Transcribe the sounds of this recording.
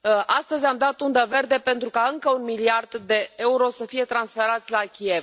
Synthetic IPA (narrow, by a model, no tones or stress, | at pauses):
ʔast̪əzʲamd̪at̪und̪əve̞rd̪e̞pe̞nt̪ɾukaɨŋkəunmiliard̪d̪e̞euɾo̞səfije̞t̪ɾansfe̞ɾat̪sʲlakʲie̞v